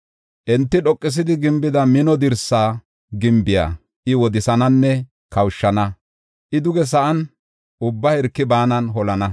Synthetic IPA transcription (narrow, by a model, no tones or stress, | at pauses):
ʔɛnt̪ːɪɗɔkʼːɪs̬ɪd̪ɪɡɪmbɪd̪ɐmɪnɔd̪ɪɾsaː | ɡɪmbɪja̰ː | ʔɪwɔd̪ɪsɐnɐnːɛ | kɐwʃːɐnɐ | ʔɪd̪ʊɡɛs̬ɐʔɐn | ʔʊbːɐhɛɾkːɪbaːnɐnɦɔlɐnɐ